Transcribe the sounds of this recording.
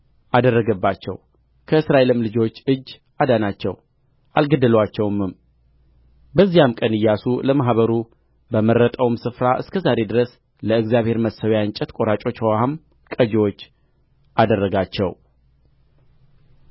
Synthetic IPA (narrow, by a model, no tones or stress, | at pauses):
ʔad̪ərːəɡəbːat͡ʃːɛ̰w | kʰəɨsɾaʔe̞lɨmlɨd͡ʒo̞t͡ʃːɨd͡ʒː | ʔad̪anat͡ʃːɛ̰w | ʔalɡəd̪ɨlwat͡ʃːɛwmɨm | bəzːijamkʼənɨjːasuləmaɦβəɾu | bəmərət̪ʼəwmsɨfɾaʔɨskʰəzaɾe̞d̪ɨɾəs | ləɨɡzjaβhe̞ɾməsəwjaɨnt͡ʃʼɛt̪kʼo̞ɾat͡ʃʼo̞t͡ʃːhowaam | kʼəd͡ʒewo̞t͡ʃː | ʔad̪ərːəɡat͡ʃːɛw